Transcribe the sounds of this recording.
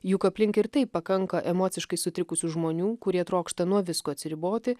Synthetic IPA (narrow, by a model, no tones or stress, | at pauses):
jukɐpʲlʲɪŋkɪɾt̪ɐɪppːɐkɐŋkɐʔɛmoːt̪sʲɪʃkɐɪsʊt̪ʲɾʲɪkʊsʲuʒmoːnʲuːkʊɾʲiɛt̪ɾoːkʃt̪ɐnuɔʋʲɪskoːɐt̪sʲɪɾʲɪboːt̪ʲɪ